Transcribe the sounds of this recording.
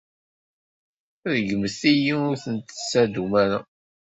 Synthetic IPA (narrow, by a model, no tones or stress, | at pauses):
ðɡəməst̪ijiʊɾθənt̪sːæd̪umæɾa